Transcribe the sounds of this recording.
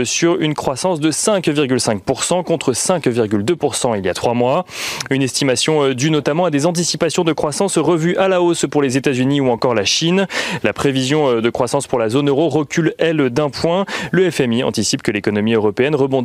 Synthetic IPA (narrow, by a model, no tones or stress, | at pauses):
syʁynkχwasɑ̃sd̪əsɛ̃kviʁɡʲylsɛ̃k̚puʁsɑ̃kɔ̃t̪χəsɛ̃kviʁɡʲyld̪øpuʁsɑ̃iljat̪χwamwaynɛst̪imasjɔ̃d̪ynɔt̪amɑ̃ad̪ezɑ̃t̪̬isipasjɔ̃d̪əkχwasɑ̃sʁəvyʔalaospuʁlezet̪azyniuɑ̃kɔʁlaʃinlapχevizjɔ̃d̪əkχwasɑ̃spuʁlazonøʁoʁəkʲylɛld̪ɛ̃pwɛ̃ləɛfɛmiɑ̰̃t̪isipkəlekɔnɔmiøʁɔpeɛnʁəbɔ̃d̪